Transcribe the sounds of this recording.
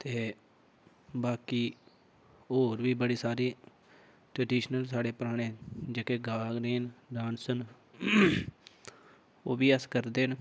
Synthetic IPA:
t̪eː | baːkiː | ɦoːɾʋiːbəɽiːsaːɾiː | ʈɾəɖiːʃnəls̬aːɽeːpɾaːɽ̃ẽːd͡ʒekeːɡaːɡɾeːnɖaːnsən | oːʋiːəskəɾd̪eːn

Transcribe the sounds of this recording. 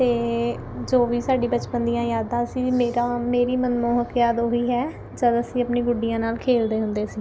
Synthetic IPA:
t̪eː | d͡ʒoːʋiːsaːɖiːbət͡ʃpənd̪ijãːjaːd̪ãːəsĩːmeːɾaːmeːɾiːmənmoːɦəkjaːd̪ooiːɦɛː | d͡ʒəd̪əsĩːəpnĩːɡʊɖijãːnaːlkʰeːld̪eːɦʊnd̪eːsiː

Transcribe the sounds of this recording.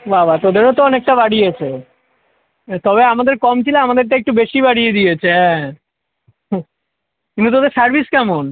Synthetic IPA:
babʱat̪od̪eɾot̪oɔnek̚ʈabaɽijet͡ɕʰe | t̪ɔβeamad̪eɾkɔmt͡ɕʰileamad̪eɾʈeek̚ʈubeʃibaɽijed̪ijet͡ɕʰeɛ̃ | kint̪ut̪od̪eɾsaɾbʱiskɛmon

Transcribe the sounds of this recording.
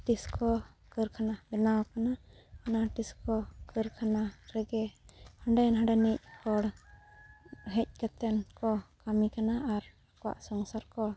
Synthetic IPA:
ʈiskʰɔkəɾkʰanabɛnawkanaanaʈiskɔkəɾkʰanaɾɛɡɛhəɳɖɛnɦə̃ɳɖanic̚kɔɽ | ɦɛc̚ˀkat̪ɛnkɔkamikanaʔːɾakɔwa̰ʔsɔŋsaɾkɔ

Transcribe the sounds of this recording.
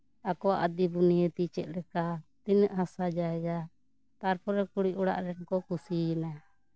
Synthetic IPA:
akɔwaʔad̪ibunijət̪it͡ʃɛt̪̚ˀɾɛkat̪inəʔɦasad͡ʒaɛɡa | t̪aɾpʰɔɾɛkuɽiʔuɽa̰ʔɾɛnkɔkusiɛna

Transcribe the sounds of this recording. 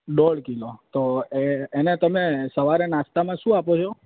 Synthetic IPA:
ɖoɭkilot̪oeenet̪əmesəʋaɾenast̪amãʃũapot͡ʃʰo

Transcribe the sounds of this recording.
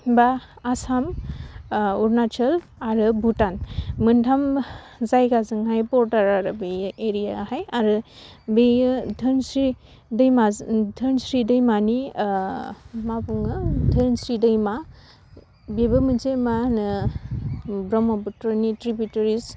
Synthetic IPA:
baːsam | uɾnat͡ʃʰɯl | aɾɯbutanmɯntʰamzajɡazɯŋɦajbɔɾdaɾaɾɯbeʔeɾijahajaɾɯbedʱɯnsɾi | dɯjmadʱɯnsɾidɯjmani | mabuŋɯdʱɯnsɾidɯjma | bebɯmɯd͡ʒemanɯ | bɾɔmɔbɯtɾɯnitɾibjuteɾis

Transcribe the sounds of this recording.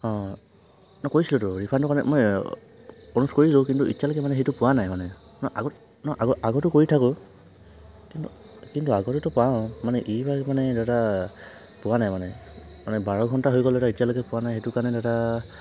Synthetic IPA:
ɔ̃ | nɔkoɹjsilʊtʊɹipʰantʊkanɛ̰mɔj | onuskoɹilokintuḭtjalojkɛmanɛxejtʊpʊwanajmanɛ | nɔʔaɡɔt | nɔʔaɡɔaɡɔtʊkoɹitʰakʊ | kintu | kintuaɡɔtutʊpaʊ̃manɛʔibamanɛdɛta | pʊwanajmanɛmanɛbaɹɔɡʱɔntaɦojkɔldɛtaitijalojkɛpʊwanajxejtukaɹnɛdɛʊta

